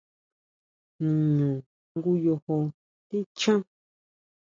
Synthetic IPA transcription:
ũ˨ɲũ˨ | ŋɡu˦jo˧ho˧ | t̪i˦t͡ʃã˦

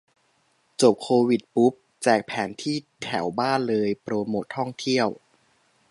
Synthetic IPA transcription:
t͡ɕo˨˩p̚kʰoː˧wi˨˩t̪̚pu˦˥p̚ | t͡ɕɛː˨˩k̚pʰɛː˩˦nt̪ʰiː˥˩t̪ʰɛ˩˦wbaː˥˩nlɤː˧jpɾoː˧moː˨˩t̪ʰːɔ˥˩ŋt̪ʰi˥˩əw

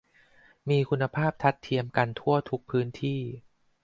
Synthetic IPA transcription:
miː˧kʰu˧nːa˧pʰaː˥˩p̚t̪ʰa˦˥t̪ʰːi˧əmka˧nt̪ʰu˥˩ət̪ʰu˦˥k̚pʰɯː˦˥nt̪ʰiː˥˩

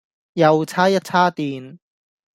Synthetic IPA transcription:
jɐ˨˧wt͡sʰaː˥jɐ˥t̚t͡sʰaː˥t̪iː˨n

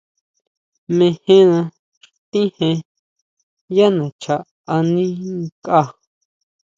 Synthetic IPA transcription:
mẽ˧hẽ˦nã˧ | t̪ĩ˦hẽ˧ | ja˦nã˨t͡ʃʰa˧ʔ | a˧nĩ˦ka˦

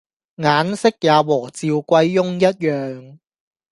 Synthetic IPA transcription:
ŋaː˨˥nsɪ˥k̚jaː˨˧wɔː˨˩t͡siː˧wkʷɐ˧jːʊ˥ŋjɐ˥t̚jœː˨ŋ

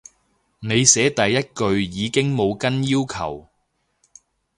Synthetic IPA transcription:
ne˨˧jsɛː˨˥t̪ɐ˨jːɐ˥t̚kɵ˧ɥjiː˨˧kɪ˥ŋmo˨˧wkɐ˥njiː˥wkʰɐ̰˨˩w

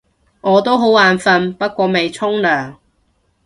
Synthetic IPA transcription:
ŋɔː˨˧t̪o˥wɦo˨˥waː˨˧nfɐ˧npɐ˥t̚kʷɔː˧me˨jt͡sʰʊ˥ŋlœː˨˩ŋ

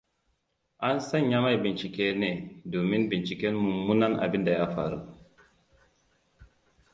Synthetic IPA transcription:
ʔa˦nsa˦ɲja˦ma˦˨jbi˨nt͡ʃi˨ke˦ne˨do˨mi˦nbi˨nt͡ʃi˨kɛ˦nmu˨mu˦na˦na̰˨bi˦nda˨ja˦fa̰˨ɾṵ˦˨

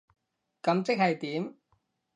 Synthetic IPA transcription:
kɐ˨˥mt͡sɪ˥k̚hɐ˨jt̪iː˨˥m

